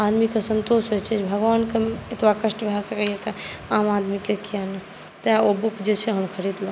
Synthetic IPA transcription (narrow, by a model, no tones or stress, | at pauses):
ad̪mikesənt̪osɦojt͡ʃʰɛd͡ʒbʱəɡʋankeet̪ʋakəʃʈbʱasəkəjɛt̪eamad̪mikekiane | t̪aobukd͡ʒet͡ʃʰɛɦəmkʰəɾid̪lə̃